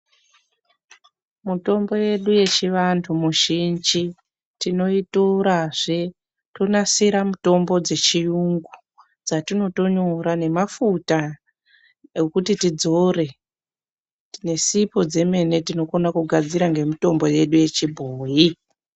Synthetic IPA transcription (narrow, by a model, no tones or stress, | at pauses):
muto̞mbo̞je̞ɗuje̞t͡ʃiʋantʰumuʒind͡ʒi | tino̞itoɾaʐe | to̞nasiɾamuto̞mbo̞d͡ze̞t͡ʃijuŋɡu | d͡zatino̞to̞ɲoɾane̞mafuta | ekutitid͡zo̞re̞ | tine̞sipo̞d͡ze̞me̞ne̞tino̞konakuɡʱad͡ziɾaŋɡe̞mito̞mbo̞je̞ɗuje̞t͡ʃibʱoːji